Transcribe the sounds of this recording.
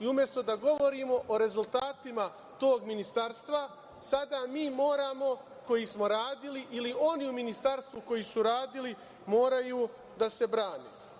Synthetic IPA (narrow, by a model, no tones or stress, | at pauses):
iumje̞st̪o̞d̪aɡo̞ʋo̞ɾiːmo̞ʔoɾe̞zulˠt̪aːt̪ima | t̪o̞ːɡminist̪aɾst̪ʋa | sad̪amiːmo̞ːɾaːmo̞ | ko̞jismo̞ɾaːd̪iliʔilio̞niuminist̪aɾst̪ʋuko̞jisuɾaːd̪ili | mo̞ːɾajuː | d̪ase̞bɾaːneː